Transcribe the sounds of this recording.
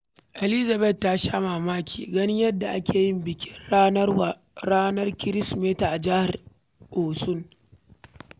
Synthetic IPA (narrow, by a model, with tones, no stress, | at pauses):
ʔe˨li˦za˨bɛ˦˨tːa˦ʃaː˦maː˨maː˦kʲʰḭː˨ɡɐ˦nɪ˦ɲjɐ˦dːa˨ʔa˦kʲʰeː˨jɪ˦mbɪ˨kʲɪ˦na˦w | ɽaː˦nɐ˦rkʲɪ˦ɾɪ˦smeː˦ta˨ʔa˨d͡ʒa˦ha˨r | ʔoː˨sʊ˦ŋ